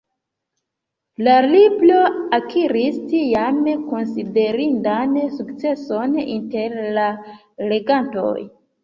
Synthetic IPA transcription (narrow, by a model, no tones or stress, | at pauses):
laliblo̞akʰiɾistijamko̞nside̞ɾindansukt͡se̞so̞nḭnte̞ɾla | le̞ɡanto̞̰j